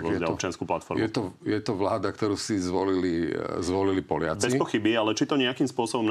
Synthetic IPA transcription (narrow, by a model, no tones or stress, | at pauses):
ɔzɛaɔpt͡ʃɪanskuːplat̪fɔɾmjɛt̪ɔjɛt̪ɔʋlaːd̪akt̪ɔɾuːsizʋɔlilizʋɔlilipɔlɪat͡sbɛispɔxibialɛt͡ʃit̪ɔɲɛakimspʊɔsɔbɔmn